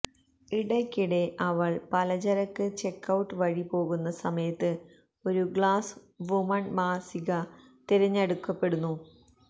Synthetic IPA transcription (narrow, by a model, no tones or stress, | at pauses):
iɽɐkʲːiɽe̞ʔɐʋɐɭpɐlɐd͡ʑɐɾɐkːɨt͡ɕe̞kːɐwʈːɨʋɐɻipo̞ːɣunːɐsɐmɐjɐt̪ːɨ | o̞ɾuɡɭaːs | ʋumɐɳmaːsiɣɐ | t̪iɾɐɲːɐɽukːɐpːe̞ɽunːu